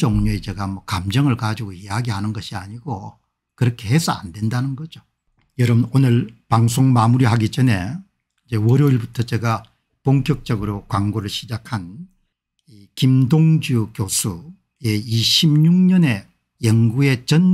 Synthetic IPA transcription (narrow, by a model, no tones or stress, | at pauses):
oŋɲoet͡ɕeɡamwʌkamd͡ʑʌŋɯɭkad͡ʑiɡoejaɡihanɯnɡʌɕʰiaɲiɡo | kɯɾʌkʰe̞hesʰʌa̰ndwe̞ndanɯnɡʌd͡ʑo | jʌɾʌbnonɯɭpaŋsʰoŋmamuɾiɦaɡid͡ʑʌne̞ | id͡ʑe̞wʌɾjoiɭbutʰʌt͡ɕeɡa | poŋk͈jʌk̚t͡ɕ͈ʌɡɯɾokwaŋɡoɾɯɭɕʰid͡ʑakʰan | i | kimdoŋd͡ʑukjosʰu | e̞iɕʰibɲuŋɲʌne̞ | jʌŋɡue̞t͡ɕʌn